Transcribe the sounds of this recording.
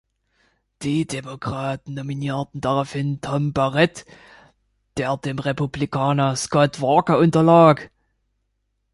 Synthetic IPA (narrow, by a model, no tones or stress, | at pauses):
d̥iːdemokʁ̥aːtn̩nominiːɐtn̩d̥aʁaʊfhɪntʰɔmbaʁɛt | d̥eːɐdeːmʁepublikʰaːnɐskɔtv̥aɐkɐʔʊntɐlaːk